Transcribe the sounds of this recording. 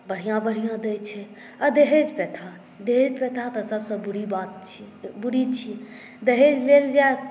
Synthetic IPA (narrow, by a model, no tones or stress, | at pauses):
bəɽ̤ijãbəɽ̤ijãd̪et͡ʃʰɛ | əd̪eɦed͡ʒpɛt̪ʰa | d̪eɦed͡ʒpɛt̪ʰat̪əsəbsə̃buɽibat̪̚t͡ʃʰi | buɽit͡ʃʰi | d̪eɦed͡ʒleld͡ʒa